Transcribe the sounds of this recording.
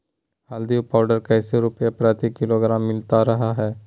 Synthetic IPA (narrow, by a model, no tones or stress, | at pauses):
ɦaːld̪iopaːʊɖəɾkɛːseɾʊpjapɾaːt̪ikɪloɡɾaːmːɪlt̪aɾɐɦaɦɛː